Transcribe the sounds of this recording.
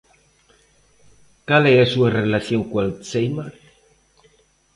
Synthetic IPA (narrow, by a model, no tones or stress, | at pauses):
kaleɾasuarelaθjoŋkwalt͡sejmaɾ